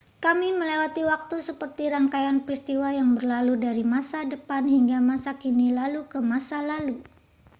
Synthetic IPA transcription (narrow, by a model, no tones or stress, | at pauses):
kamiməlewat̪iwak̚t̪usəpərt̪iɾaŋkajanpɾist̪iwajaŋbərlaludaɾimasadəpanhiŋɡamasakinilalukəmasalalu